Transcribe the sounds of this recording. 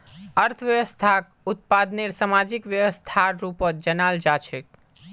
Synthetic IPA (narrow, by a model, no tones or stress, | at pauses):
əɾt̪ʰəʋjəʋəst̪ʰak | ut̪̚pad̪neɾsamad͡ʒikʋjəʋəst̪ʰaɾupəd͡ʒənald͡ʒat͡ʃʰek̚